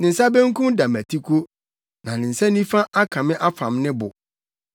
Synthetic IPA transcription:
nɪ̃˨n̩˨sa˦bɛ̃˦ŋ˦kʰʊ̃˦mda˨mæ˨tʰi˦kʰo˦ | nã˨nɪ̃˨n̩˨sɛ˦nĩ˦fa˦ʔa˦kʰã˨mɪ̃˦ʔa˦fã˨mnɪ̃˦bʊ̰˨

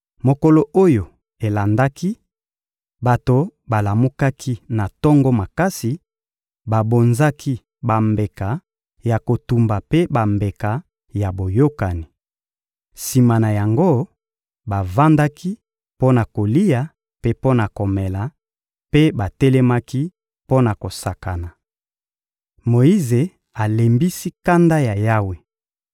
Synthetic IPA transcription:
mo˨ko˨lo˨ʔo˦jo˨ | e˨la˨nda˦ki˦ | ba˨to˨ba˨la˨mu˦ka˦kʰi˦na˨tɔ˦ŋɡɔ˦ma˨ka˦si˨ | ba˨bo˨nza˦ki˦ | ba˨mbe˨ka˨ | ja˨ko˨tu˨mba˨pe˦ba˨mbe˨ka˨ | ja˨bo˨jo˦ka˨ni˨ | si˨ma˨na˨ja˨ŋɡo˦ | ba˨va˦nda˦ki˦ | po˦na˨ko˨li˦ja˨ | pe˦po˦na˨ko˨mɛ˨la˨ | pe˦ba˨tɛ˦lɛ˦ma˦ki˦ | po˦na˨ko˨sa˨ka˨na˨ | mo˨i˦ze˨ | a˨le˨mbi˦si˦ka˦nda˦ja˨ja˦we˨

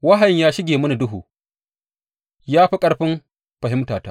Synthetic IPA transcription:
wɐ˦ɦɐ˨ɲjaː˦ʃɪ˦ɡʲeː˨mʊ˦ni˨dʊ˦ɦṵː˨ | jaː˦ɸi˦kʼɐ˦ɽɸɪ˦m | ɸɐ˨ɦɪ˦mtaː˨ta̰ː˦

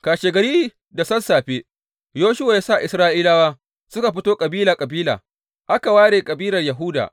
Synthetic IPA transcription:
kaː˨ʃeː˨ɡɐ˨ɾiː˦ | da˨sɐ˦nsaː˨ɸe˦ | joː˦ʃʊ˦wa˨jaː˦sa˦˨ʔɪ˨sɾaː˦ʔiː˦laː˦waː˦ | sʊ˦ka˨ɸɪ˦toː˦kʼɐ˨biː˦laː˨kʼɐ˨biː˦la̰ː˨ | ʔa˦ka˨waː˦ɽeː˨kʼɐ˨biː˦lɐ˨rjɐ˨ɦʊ˦da̰ː˨

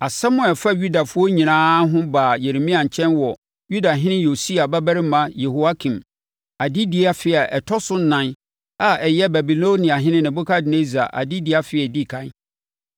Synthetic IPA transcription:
a˨sa˦mʊ̃˨ɛ˨fa˦ju˦da˨fʊ˦ɔ˦ɲĩ˨nãː˦ɦʊ̃˦baː˨je˨ɾe˨mĩ˦ã˨ɲ˨t͡ɕʰɛ̃˦nwɔ˨ | ju˦da˨ɦɪ̃˦nɪ̃˦jo˨si˦a˨ba˦bæ˦ɾɪ˦mã˦je˨ho˨a˦kʰĩ˨m | a˨di˦di˦a˦fɪ˦ɛ˨ʔɛ˨tʰɔ˦sʊ˦n̩˦nã˦n | a˨ɛ˨jɛ˦bæ˨bi˨lo˦nĩ˨a˨ɦɪ̃˦nɪ̃˦nɪ̃˨bʊ˦kʰa˦dɪ˨ne˦za̰˨ʔa̰˨di˦di˦a˦fɪ˦ɛ˨di˦˨kʰã˦

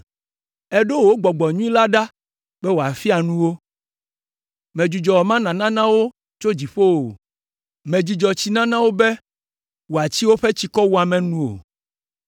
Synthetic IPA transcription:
ɛ˦ɖo˦wo˦ɡ͡bɔ˨ɡ͡bɔ˨ɲũ˦ĩ˦la˦ɖa˦ | b̥ɛ˦wo˨a˨fi˦a˨nũ˦wo˦ | mẽ˨d͡ʒu˨d͡ʒɔ˨wɔ˨mã˦nã˨nã˦nã˦wo˦ | t͡ʃo˦d͡ʑi˨ɸo˦wo˨ | mẽ˨d͡ʒu˨d͡ʒɔ˨t͡ɕi˦nã˦nã˦wo˦bɛ˦ | wo˨a˨t͡ɕi˦wo˦ɸɛ˦t͡ɕi˨kɔ˦wu˦a˨mɛ̃˨nũ˦o̰˨

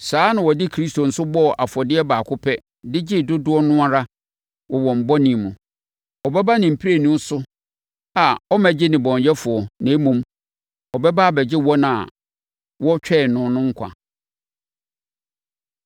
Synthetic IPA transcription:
saː˨˦nã˨wɔ˨dɪ˦kʰɾi˦sto˨n̩˨sʊ˦bɔ˦˨ʔa˨fɔ˨dɪ˦ɛ˦baː˨kʰʊ˦pʰɛ˦ | dɪ˦d͡ʑɪ˦dʊ˦dʊ˦ɔ˦nʊ̃˦a˦ɾa˦ | wɔ˨wɔ̃˨m̩˨bɔ˦nĩ˨mũ˨ | ɔ˨bɛ˦ba˦nɪ̃˨m̩˨pʰi˦e˨nũ˦sʊ˦ | a˨ɔ˦mæ̃˨d͡ʑɪ˦nɪ̃˨bɔ̃˨ɲjɛ˦fʊ˨ɔ˨nã˨˦mũ˦m | ɔ˨bɛ˦ba˦˨bɛ˨d͡ʑɪ˦wɔ̃˦n˨a˨ | wɔ˦t͡ɕᶣɛ˦˨nʊ̃˦nʊ̃˦ŋ̩˦kʷʰã̰˨

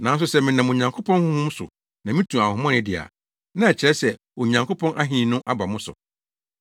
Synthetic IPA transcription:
nã˨˦n˦s̬ʊ˦sɛ˦˨mɪ̃˨nã˨mo˨ɲã˨ŋkʰo˦pʰɔ̃˦nhʊ̃˦hũ˦msʊ̰˨ | nã˨mĩ˦tʰũ˨a˨hʊ̃˨mɔ̃˦nɪ̃˨dɪ˨a̰˨ | nã˦ɛ˨t͡ɕʰɪ˨ɾɛ˦sɛ˨ | o˨ɲã˨ŋkʰo˦pʰɔ̃˦nʔa˦ɦĩ˦˨nʊ̃˦ʔa˦ba˨mʊ̃˦sʊ̰˨

